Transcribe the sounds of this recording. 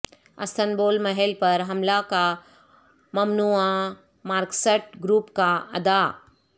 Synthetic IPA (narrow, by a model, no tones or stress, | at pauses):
ɐ̰st̪ʰənboːlmɐɦɛlpɐɾɦɐmlaka | mɐmnuã | maːɾkseʈɡɾuːpkaɐd̪a